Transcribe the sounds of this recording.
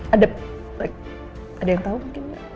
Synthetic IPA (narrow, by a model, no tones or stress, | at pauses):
ʔada | laɪk̚ | ʔadajaŋt̪aumuŋkɪnja̰